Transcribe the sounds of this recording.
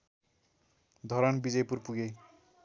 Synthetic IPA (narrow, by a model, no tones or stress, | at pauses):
d̪ʱʌɾʌnbid͡zʌjpurpuɡe